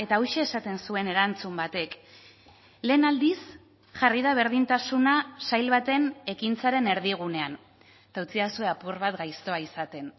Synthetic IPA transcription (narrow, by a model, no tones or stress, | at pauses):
e̞t̪aowʃe̞ːsat̪e̞nsue̞ne̞ɾant͡sumbat̪e̞k | le̞ːnald̪is | ʝarið̞aβ̞e̞ɾð̞int̪asunasajlβat̪e̞ne̞kint͡saɾe̞ne̞ɾð̞iɣ̞une̞an | t̪awt͡siasue̞apurβat̪ɡajst̪o̞aisat̪e̞n